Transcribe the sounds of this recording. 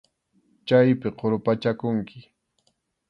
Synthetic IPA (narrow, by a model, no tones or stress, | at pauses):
t͡ʃajpɪqoɾʊpat͡ʃakʊŋkɪ̥